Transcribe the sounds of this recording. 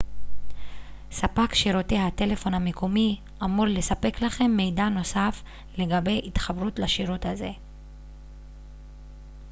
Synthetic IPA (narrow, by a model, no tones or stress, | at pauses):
sapakʃiɾote̞hate̞le̞fo̞nhamekʰomi | ʔamudle̞sape̞klaχe̞mːe̞jdano̞saf | le̞ɡabe̞jʔitχabʁut̪laʃiʁot̪haze̞